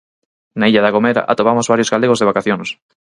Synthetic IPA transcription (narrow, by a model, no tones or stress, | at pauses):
naiʎaðaɣomeɾa̰ʔa̰t̪oβamozβaɾjozɣaleɣozðeβakaθjons